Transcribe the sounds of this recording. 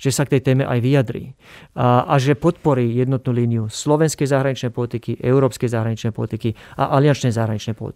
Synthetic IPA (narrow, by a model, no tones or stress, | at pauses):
ʒ̥ɛsakt̪ɛjt̪ɛːmɛʔajʋiad̪ɾḭː | ʔaʒɛpɔt̪pɔɾiːjɛd̪nɔt̪̚nuːliːnijuslɔʋɛnskɛjzaɦɾaɲit͡ʃnɛjpɔlit̪ikiʔɛuɾɔːpskɛjzaɦɾaɲit͡ʃnɛjpɔlit̪ikia̰ʔalɪjant͡ʃnɛjzaɦɾaɲit͡ʃnɛjpɔ̰lḭt̪